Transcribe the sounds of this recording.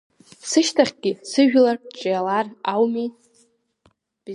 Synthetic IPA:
sɨʃtʰaχʲɡʲɪsɨʒᶣlart͡ʃʼjalarawmi | b̥

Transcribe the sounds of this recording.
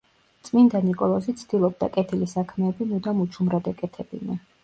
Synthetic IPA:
t̪sʼmind̪anikʼɔlˠɔzit̪sʰd̪̥ilˠɔb̚d̪a̰kʼɛt̪ʰilisakʰmɛːbinud̪amut͡ʃʰumɾad̪ɛkʼɛt̪ʰɛbḭna

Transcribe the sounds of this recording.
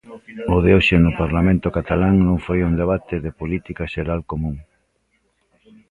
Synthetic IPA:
ʊðeoʃenʊpaɾlamẽnt̪ʊkat̪alaŋnõŋfojund̪eβ̞at̪ɪðɪpolit̪ikaʃeɾalkomũŋ

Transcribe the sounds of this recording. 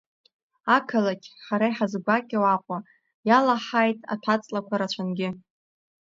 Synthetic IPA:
akʰalakʲʰħaɾajħazɡʷakʲʼawaqʷʼa | jalaħajtʼa̰tʷʰat͡sʼlakʷʰaɾat͡ʃʷʰanɡʲɪ

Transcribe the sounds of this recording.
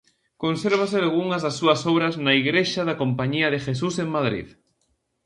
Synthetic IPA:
konseɾβ̞asealɣuŋazðasːuasoβ̞ɾaznaiɣɾeʃaðakõmpaɲiaðexesuseŋmaðɾḭð

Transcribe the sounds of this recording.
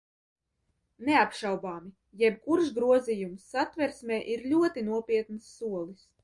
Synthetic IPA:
nɛapʃawbaːmi | jɛb̚kuɾʃɡɾuɔzijumsːat̪vɛɾsmʲɛːʔiɾlʲuɔt̪inuɔpʲiɛt̪nɨsːuɔlˠis

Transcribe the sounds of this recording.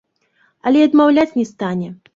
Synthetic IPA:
ɐlʲɛɐd̪mawlʲat͡sʲnʲɛst̪anʲɛ

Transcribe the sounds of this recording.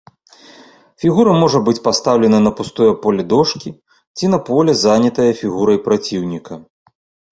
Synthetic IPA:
fʲiɣuɾɐmɔʐɐbɨt͡sʲpast̪awlʲɛnɐnɐpust̪ɔjɐpɔlʲɛd̪ɔʂkʲi | t͡sʲin̪ɐpɔlʲɛzanʲɐt̪ɐjɐfʲiɣuɾɐjpɾat͡sʲiwnʲikɐ

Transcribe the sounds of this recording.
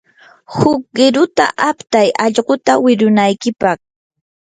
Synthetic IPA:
hʊk̚ɢɪɾʊt̪a̰ʔapt̪ajɑʎɢot̪awɪɾʊnajkɪpɑχ

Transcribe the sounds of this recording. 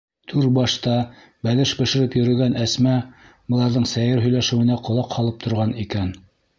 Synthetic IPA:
t̪ʰʉɾbɑʃt̪ɑ | bælɘʃbɘ̆ʃɘ̆ɾɘpjɵ̆ɾɵ̆ɡænʔæsmæ | bŏlˠɑɾðɤɴsæjɘɾɦɵ̆jlæʃɘ̆wɘ̆næqŏlˠɑqhɑlˠɤp̚t̪ʰŏɾʁɑnikæn

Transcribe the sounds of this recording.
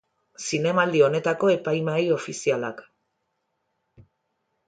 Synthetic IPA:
sine̞mald̪io̞ne̞t̪ako̞e̞pajmajo̞fisialak

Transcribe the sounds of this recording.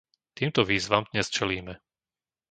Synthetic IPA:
t̪iːmt̪ɔʋiːzʋamd̪ɲɛst͡ʃɛliːmɛ

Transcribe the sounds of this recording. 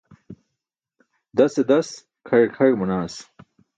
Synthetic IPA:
d̪ɐsed̪ɐs | kʰɐɻkʰɐɻmunaːs

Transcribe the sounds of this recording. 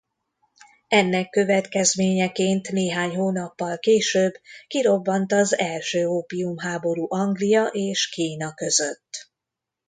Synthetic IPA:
ɛnːɛkːø̞vɛt̪kɛzmeːɲɛkeːnt̪neːɦaːɲɦoːnɒpːɒlkeːʃøːbkiɾo̞bːɒnt̪ɒzɛlʃøːoːpiumɦaːbo̞ɾuːʔɒŋɡlijɒʔeːʃkiːnɒkø̞zø̞t̪ː

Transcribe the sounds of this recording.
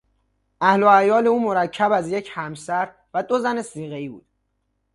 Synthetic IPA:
ʔæhlo̞æjɒːle̞uːmo̞ɾæcʰːæbæzje̞cʰhæmsæɾ | væd̪ozæne̞siːɣeiːbṵːd̪̥

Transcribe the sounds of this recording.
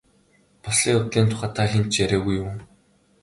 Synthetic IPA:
pɔsɮiːŋʊt̪ɮiːnt̪ʰʊ̥χaːt̪ʰaːxʲent͡ɕjæɾʲæːɣuju

